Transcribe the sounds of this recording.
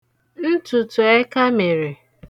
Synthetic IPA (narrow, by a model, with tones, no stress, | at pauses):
n̩˦tʊ˨tʊ˨e˦ka˦me˨ɾɪ˨